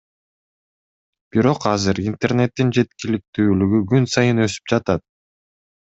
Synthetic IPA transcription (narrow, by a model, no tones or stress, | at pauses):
b̥iɾo̞qɑzɯɾint̪e̞rne̞t̪ːind͡ʒe̞t̪kilik̚t̪yːlyɡyɡynsɑjɯnø̞sy̥p̚d͡ʒɑt̪ɑt̪̚